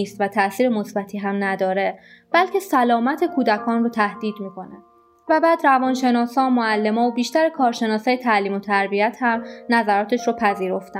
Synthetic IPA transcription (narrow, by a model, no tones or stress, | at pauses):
iːst̪væt̪ʰæsiːɾemosbæt̪ʰiːɦæmnæd̪ɒːɾe̞ | b̥ælcʰe̞sælɒːmæt̪ʰe̞kʰuːd̪ækʰɒːnrot̪ʰæhd̪̥iːd̪miːkʰo̞næ̰n | væbæːd̪ɾævɒːnʃe̞nɒːsɒːmoælːe̞mɒːobiːʃt̪æɾekʰɒːɾʃe̞nɒːsɒːjet̪ʰæliːmo̞t̪ʰæɾbiæt̪ʰhæmnæzæɾɒːt̪ʰeʃɾoːpʰæziːɾo̞ft̪æ